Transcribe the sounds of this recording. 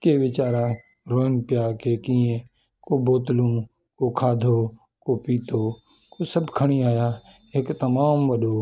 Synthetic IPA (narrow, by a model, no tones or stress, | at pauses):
keʋɪt͡ʃaːɾã | ɾoːənpjaːkekĩẽ | koboːt̪lũ | kokʰaːd̪ʱo | kopiːt̪oː | kosəbkʰəɽ̃iaːja | eːkt̪ɐmaːmʋəɗoː